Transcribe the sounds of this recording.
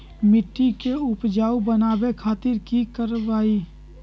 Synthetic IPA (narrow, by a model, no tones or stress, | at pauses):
mɪʈːikeʊpd͡ʒaːubənaːbekʰaːt̪ɪɾkikəɾʋaːi